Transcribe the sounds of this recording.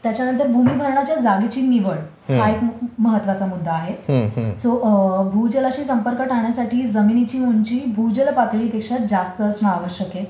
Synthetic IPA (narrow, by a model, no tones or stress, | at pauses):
t̪jat͡ɕjanənt̪̬əɾbʱumiːbʱəɾɳ̃at͡ɕjad͡zaɡit͡ɕiːniʋəɭ | ɦaekməɦət̪ːʋat͡samud̪ʱːaːɦesobʱud͡ʑəlat͡ɕiːsəmpəɾkəʈaɳjasaʈʰiːd͡zəminit͡ɕiːmuɲt͡ɕiːbʱud͡ʑəlpat̪ɭiːpekʂad͡zast̪əːt͡sməaʋəɕjəke